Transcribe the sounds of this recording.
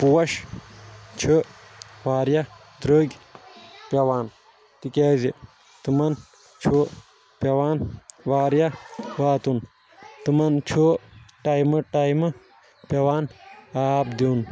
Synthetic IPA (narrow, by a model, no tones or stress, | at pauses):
puwɐʃ | t͡ʃʰu | ʋaːɾjɐ | d̪ɾəːɡʲ | pʲɐʋaːn | t̪ikʲɛːzi | t̪ɨmɐn | t͡ʃʰu | pʲjɐwaːnʋaːɾjɐʋaːt̪un | t̪ɨmɐnt͡ʃʰuʈaːjmɐʈajmɨ | pʲjɐʋaːnaːbd̪iːn